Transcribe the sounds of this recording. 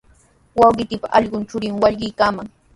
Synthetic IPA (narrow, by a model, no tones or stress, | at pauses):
wɑwɢɪt̪ɪpaʔɑʎɢʊnt͡ʃʊɾɪŋwɑʎɢɪjkaːmaŋ